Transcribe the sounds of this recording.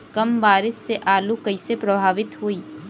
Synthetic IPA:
kɐmʋaːɾɪsːeʔaːlukɐɪsepɾɐbʱaːʋɪt̪ɦuiː

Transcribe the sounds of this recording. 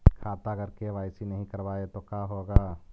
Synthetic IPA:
kʰaːt̪aɡəɾkeʋaːɪsinɐɦĩkɐɾʋaːet̪okaːɦoːɡaː

